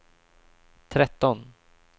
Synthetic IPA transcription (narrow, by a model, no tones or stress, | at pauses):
t̪ʰɾɛt̪ːɔn